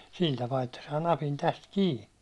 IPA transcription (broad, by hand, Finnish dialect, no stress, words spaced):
sil tɑpɑː etːæ sɑː nɑpin tæst kiː